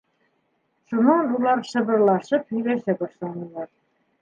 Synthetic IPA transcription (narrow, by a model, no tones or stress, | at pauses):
ʃunɑnulˠɑɾʃɤ̆βɤ̆ɾlˠɑʃɤphɵ̆jlæʃæbɑʃlˠɑnɤ̆lˠɑɾ